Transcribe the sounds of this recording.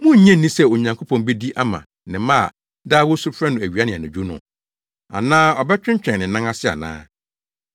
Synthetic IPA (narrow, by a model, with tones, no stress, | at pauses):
mʊ̃˦ɲ̩˨ɲɛ̃˦n˨nĩ˦sɛ˦o˨ɲã˨ŋkʰo˦pʰɔ̃˨mbe˦di˦ʔa˦mã̰˨ | nɪ̃˨mã˦a̰˨ | daː˦wɔ˦su˦fɾɛ˦nʊ̃˨æ˨ɥi˨a˦nɪ̃˨nʊ̃˨d͡ʑᶣu˦nʊ̰̃˨ | a̰˨nãː˦ɔ˨bɛ˦t͡ɕᶣɪ̃˦ɲ˦t͡ɕᶣɛ̃˨nɪ̃˨nã˦ŋa˦sɪ˦a̰˨nã̰ː˦